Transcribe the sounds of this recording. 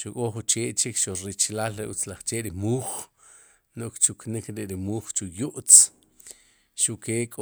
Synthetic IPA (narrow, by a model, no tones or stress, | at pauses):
ʃukʼoχut͡ʃeːʔt͡ʃikʃuɾit͡ʃlaːlɾiʔut͡slaχt͡ʃeːʔɾimuːχ | noʔkt͡ʃuknikɾeʔɾimuːχt͡ʃujuʔt͡s | ʃuʔkeːkʼ